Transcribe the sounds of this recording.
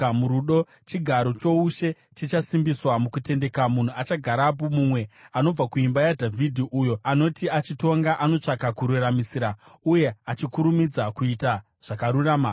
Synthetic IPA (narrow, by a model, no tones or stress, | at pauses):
muɾuɗo̞ | t͡ʃiɡʱaɾo̞t͡ʃo̞uʃe̞ | t͡ʃit͡ʃasimbiswamukute̞nde̞kamun̤uat͡ʃaɡʱaɾap̬umumwe̞ano̞b͡vakuimbajadʱavʱidʱiʔujo̞ano̞tiat͡ʃito̞ŋɡaʔano̞t͡ʂakakuɾuramisiɾauje̞at͡ʃikuɾumid͡zakuita | ʐ̥akaɾuraːma